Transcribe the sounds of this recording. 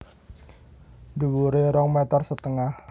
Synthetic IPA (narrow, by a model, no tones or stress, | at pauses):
duwuɾeɾɔŋmɛt̪ərsət̪əŋah